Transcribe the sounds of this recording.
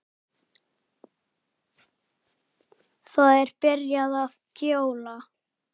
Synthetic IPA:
θaðɛɾpɪɾjaðav | cjoːwla

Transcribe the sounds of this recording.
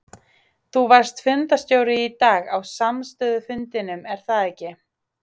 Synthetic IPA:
θuvaɾ̥st̪fʏnt̪ast̪joːwɾɪit̪aːɣawsamst̪ʏːðʏfʏnt̪ɪnʏmɛɾ̥θaðɛcːɪ

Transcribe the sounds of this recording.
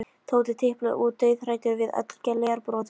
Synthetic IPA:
t̪ʰoːwt̪ɪt̪ʰɪhplʏ̰ʔuːt̪ːœːɥðraːjt̪ʏɾvɪðœ̰t̪l̥cɛlːejaɾpɾɔːt̪

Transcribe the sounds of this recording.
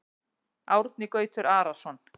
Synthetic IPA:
awɾt̪nɪkœːɥjt̪ʏɾʔaːɾasɔn

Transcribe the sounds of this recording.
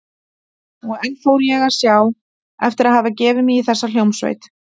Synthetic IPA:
ɔɣɛnfoːwɾjɛɣḁsjaːw | ɛft̪ɪɾaðɦaːvacɛːvɪmiiθɛsːaljowmsvḛjt̪

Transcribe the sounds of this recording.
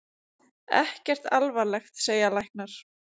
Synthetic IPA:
ɛ̰hcɛr̥t̪alvaɾlɛxt̪seːjalajhknaɾ̥

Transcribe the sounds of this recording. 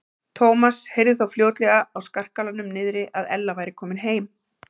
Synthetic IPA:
t̪ʰoːwmashejɾðɪθawfljoːwt̪lɛɣaawskar̥kalanʏmnɪːðɾɪʔaðɛlːavaːjɾɪkʰɔːmɪnɦeːjm

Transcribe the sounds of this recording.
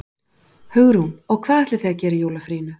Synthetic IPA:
hʏɣɾɪhunɔɣkʰv̥aːðɛht̪lɪθejɣacɛːɾɪjoːwlafɾiːnʏ

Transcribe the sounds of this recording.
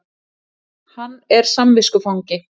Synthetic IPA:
hanːɛɾ̥samvɪskʏfawŋcɪ

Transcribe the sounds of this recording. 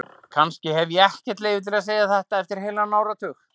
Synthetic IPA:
kʰanscɪhɛvjɛɛhcɛ̥t̪lejvɪt̪ʰɪlaðs̬eːjaθɛht̪aɛft̪ɪɾ̥ɦeːlanaːwɾat̪ʰʏx

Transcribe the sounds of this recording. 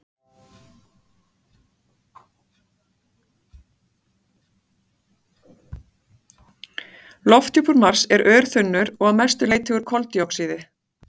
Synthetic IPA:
lɔft̪ʰjupʏɾmar̥sɛɾʔœːɾ̥θʏnːʏɾɔɣaðmɛ̥st̪ʏleːjt̪hʏɣʏɾ̥kʰɔlt̪jɔksiːðɪ

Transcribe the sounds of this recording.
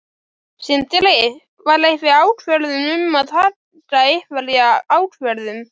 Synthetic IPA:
sɪnt̪ɪlɛjɪ | vaɾlejvɪaːwʈvœɾðʏnʏmaðha | t̪aehvaljaaːwʈvɛɾðʏm

